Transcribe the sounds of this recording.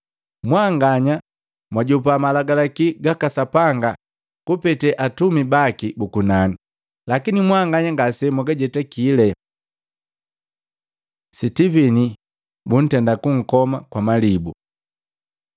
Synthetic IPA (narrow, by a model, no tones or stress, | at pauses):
mwaŋɡaɲa | mwaɟup̬amalaɡalakiɡakasapaŋɡa | kupɛtɛʔatumibakibukunani | lakinimwaŋɡaɲaŋɡasɛmuɡaɟɛtakilɛ | sitivini | bun̩tɛndakuŋ̩kɔmakwamalibu